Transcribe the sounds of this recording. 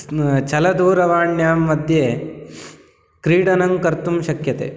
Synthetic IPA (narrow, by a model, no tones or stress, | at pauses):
t͡ʃɐlɐd̪uːɾɐʋaːɳjaːmːɐd̪ʱjeː | kɾiːɽɐnɐŋkɐɾt̪umʃɐkjɐt̪ḛː